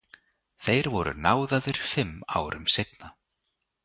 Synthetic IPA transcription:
θejɾvɔɾʏ̰naːwðaðɪɾ̥fɪmːa̰ːwɾʔʏmsejt̪na

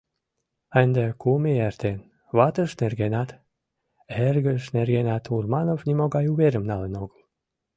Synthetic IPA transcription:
ɑnd̪ekumeært̪ʰen | βɑt̪əʃnerɡenɑt̪ | erɣəʃnerɡenɑt̪ʰurmɑnovnimoɡɑjuβeɾəmnɑlenoɡəl

